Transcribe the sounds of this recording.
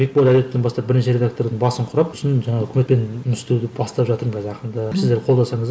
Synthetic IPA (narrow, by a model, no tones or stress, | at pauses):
bek̚bolʲˠæd̪et̪enbɑst̪ɑp̚bɪɾneʃe̞ɾʲe̞d̪ak̚t̪o̞ɾd̪əɴbɑsəɴqʰʊɾɑpʊsnʒɑɴɑʁɵkʲʰmet̪pe̞nmʏst̪ewd̪ɪbɑst̪ɑpʒɑt̪əɾmkʰʲzɑqənd̪ɑsɪzd̪eɾqʰo̞lˠd̪ɑsɑɴəz